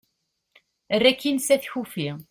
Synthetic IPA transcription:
ərːækːinsæθçufi

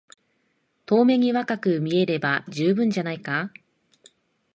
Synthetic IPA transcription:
t̪o̞ːme̞ɲ̟iβakakɯ̟mʲie̞ɾe̞bad͡ʑɨːbɯ̟̃ɲ̟d͡ʑanaika

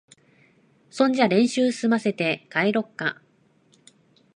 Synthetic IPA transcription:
sõ̞ɲ̟d͡ʑiaɾẽ̞ɰ̃ɕɨːsɨ̥sɨmase̞t̪e̞kaiɾo̞kːa̰

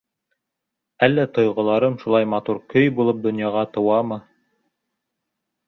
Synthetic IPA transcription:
ælːæt̪ŏjʁɤ̆lˠɑɾɤmʃulˠɑjmɑt̪uɾkɵjbulˠɤp̚d̪ŏnjɑʁɑt̪ɤ̆wɑmɤ

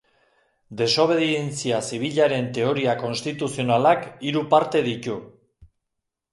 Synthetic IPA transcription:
d̪e̞so̞β̞e̞ðient͡siasiβ̞iʎaɾe̞nt̪e̞o̞ɾiako̞nst̪it̪usio̞nalakiɾupaɾt̪e̞ðit̪u

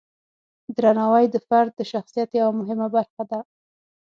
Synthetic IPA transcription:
d̪ɾanɑwajd̪əfaɾd̪̚ːəʃaxsijat̪jawamʊɦɪmabaɾxad̪a

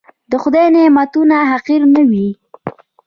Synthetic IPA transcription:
d̪əxʊd̪ajnɪmat̪unaɦaqiɾnəwi

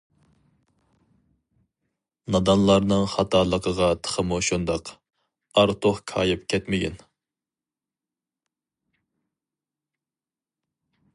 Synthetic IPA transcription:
nɑd̪ɑnlˠɑɾnɨŋχɑt̪ʰɑːlˠəqʰəʁɑt̪ʰə̥χəmuʃund̪ɑq | ɑɾt̪ʰoχkʰɑ̰ːjɪpkʲʰɛt̪mɪɡʲɛ̰n

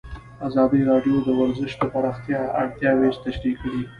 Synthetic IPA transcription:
azɑd̪iɾɑɖjod̪əwaɾzəʃd̪əpaɾɑxt̪jɑa̰ɽt̪jɑwed͡ʒt̪aʃɾikɽi

